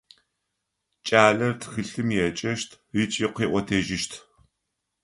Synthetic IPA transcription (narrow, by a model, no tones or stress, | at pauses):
t͡ʃʼaːɮɐrtʰxɨɬɨmjɛt͡ʃʼɐʃtʰ | rit͡ʃʼiqʷiːʔʷɔtʰeːʒɪʃtʰ